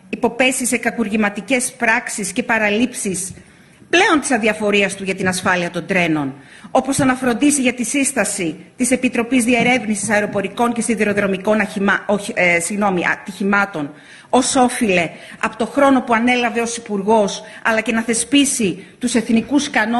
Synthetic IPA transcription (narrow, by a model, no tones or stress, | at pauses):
ipo̞pe̞sise̞kɐkuɾʝimɐt̪ice̞spɾɐksisce̞pɐɾɐlipsis | ple̞o̞nt̪isɐnðiɐfo̞ɾiɐst̪uʝɐt̪inɐsfɐliɐt̪o̞nd̪ɾe̞no̞n | o̞po̞sɐnɐfɾo̞nd̪isiʝɐt̪isist̪ɐsit̪ise̞pit̪ɾo̞pizðie̞ɾe̞vnisisɐeɾo̞po̞ɾiko̞ɲce̞st̪iðiɾo̞ðɾo̞miko̞nɐosiɣno̞miɐ̰t̪içimɐt̪o̞n | o̞so̞file̞ | ɐpot̪o̞xɾo̞no̞puɐne̞lɐve̞o̞sipuɾɣo̞sɐlɐce̞nɐθe̞spisit̪use̞θnikuskɐno